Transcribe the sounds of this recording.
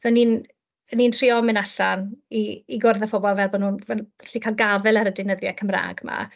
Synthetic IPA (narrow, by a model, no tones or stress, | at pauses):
ðɔnin | ənːintʰriɔmɪnaɬaniːɡʊrðɛfɔbɔlˠvɛbɔnuːnvɛɬikʰalˠɡavɛlˠaɾədɪnəðjakʰəmra̰ːɡma̰